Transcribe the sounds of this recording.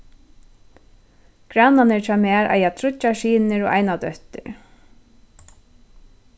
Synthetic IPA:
kɹananɪɹt̪ʰaːmɛːɾʔa̰jaːt̪ʰɾʊt͡ʃːaʃiːnɪɾɔʔa̰jnad̪œht̪ɪ̰ɹ

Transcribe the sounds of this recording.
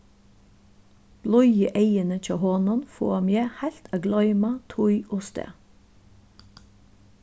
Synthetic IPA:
b̥lɔʏəʔeɪənət͡ʃʰɑːhɔnʊnfo̰ːmjeːhælt̪ʰɑːɡlœʏmɑt̪ʰʊʏʔoːst̪ø̰ː

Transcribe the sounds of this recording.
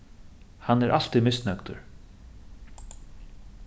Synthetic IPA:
hanːɛɾʔa̰l̥t̪imɪsnœkt̪ʊ̰ɹ

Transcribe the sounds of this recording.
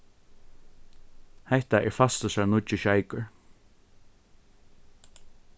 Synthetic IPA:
hɛht̪aʔɛɹfast̪əsaɹnʊt͡ʃːɪʃajkəɹ

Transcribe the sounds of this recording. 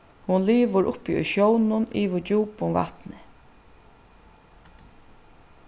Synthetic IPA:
hʊnliːʋəɾʔʊ̰pḭʊ̰jʃjɔwnʊniːʋɪd͡ʒuːpʊnva̰t̪nɪ

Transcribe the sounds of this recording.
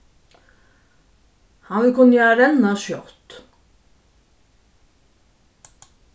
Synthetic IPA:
hɑnʋɪlkʰʊnjaɾɛnaʃjɔ̰t̪

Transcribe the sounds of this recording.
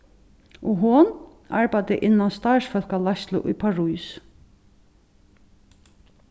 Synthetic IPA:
ɔɦʊn | aɹpajt̪ɪʔɪnːanst̪aɹsfœl̥kalast̪lʊ̰ʔʊjpʰaɹujs

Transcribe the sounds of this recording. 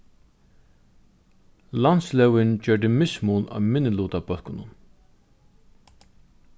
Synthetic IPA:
lant̪slɛwɪnt͡ɕœːʈɪmɪsmunɑ̰ːmɪnːɪluːt̪abœlkʊnʊn

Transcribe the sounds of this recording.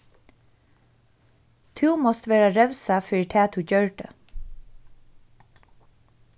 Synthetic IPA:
t̪ʰʉːmɔst̪ʋeːɹaɾɛʋsafœɾt̪ʰæːt̪ʰʉːɟœɹɖə̰

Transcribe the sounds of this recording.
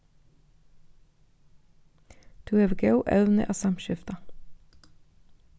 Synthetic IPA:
t̪ʰʉːeʋɡɑʊʔœʉnə̰ʔɑːsɑmʃɪft̪ɑ

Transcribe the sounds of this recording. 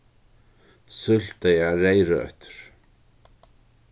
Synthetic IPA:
sʏl̥t̪ajaɾejɾa̰œ̰ht̪ʏ̥ɾ̥

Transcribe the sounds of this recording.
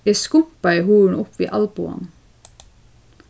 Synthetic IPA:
eːskʊmpɑehuːɳ̩ʊpʋḭːʔɑlbʊ̰ɑ̰n

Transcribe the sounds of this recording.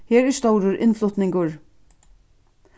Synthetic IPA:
hɛːɾɛɹst̪ɔwɾʊɾʔɪ̰nflʊt̪nɪŋkʊɹ

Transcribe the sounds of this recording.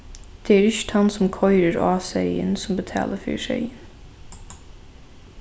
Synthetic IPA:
d̪̥eæɾʏʃt̪hɑnsɔmkʰɔʏɾəɾɑːsɛɪə̰nsɔmbət̪ʰɑ̰ːlʔəfœ̰ʃœ̰ʏən

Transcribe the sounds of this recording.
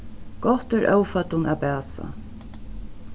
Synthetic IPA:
ɡ̥ɔht̪ɛɹʔœwfœt̪ʊnapæːsa̰

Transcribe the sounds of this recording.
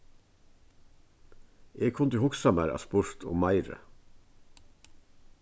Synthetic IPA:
eːkʰʊnt̪əhʊksɑmæɾɑ̰spʊɹt̪ʰʊ̰ːmæɪɾə̰

